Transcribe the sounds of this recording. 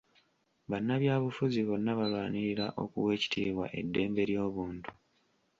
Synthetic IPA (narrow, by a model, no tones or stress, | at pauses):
βanːaβjaːβufuziβo̞nːaβalwaːniɾiɾa̰ʔo̞̰kuwe̞ːci̥tʰḭːβwa̰ʔe̞dːe̞ːmbe̞ɾjo̞ːβuːntu̥